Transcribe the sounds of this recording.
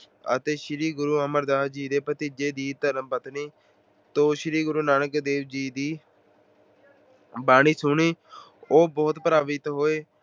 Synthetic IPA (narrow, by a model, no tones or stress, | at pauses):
ə̰t̪eːʃɪɾiːɡʊɾuːəməɾd̪aːd͡ʒiːd̪eːpət̪iːd͡ʒeːd̪iːt̪əɾəmbət̪niː | t̪oːʃɪɾiːɡʊɾuːnaːnəkd̪eːʋd͡ʒiːd̪iː | baːɽ̃iːsʊɳiː | oːbɔːt̪pəɾaːʋɪt̪ɦoːeː